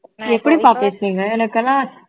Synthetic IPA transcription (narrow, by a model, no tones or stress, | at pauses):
ɛpːɐɽipaːpeːsɾiːŋɡɐɛnɐkːɐlːãː